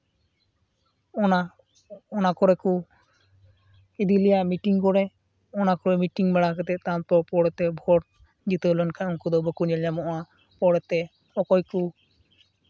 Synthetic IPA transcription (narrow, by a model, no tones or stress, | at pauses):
ɔna | ɔnakɔɾɛku | id̪ilijaʔmiʈiŋkɔɾɛ | ɔnakɔɾɛmiʈiŋmɛɽakɛt̪ɛt̪at̪ɔpɔɽɛt̪ɛbʱɔʈ̚ | d͡ʒit̪elɔnkʰaɔnkud̪ɔbəkuɲɛlɲamɔʔa | pɔɽɛt̪ɛ | ɔkɔjku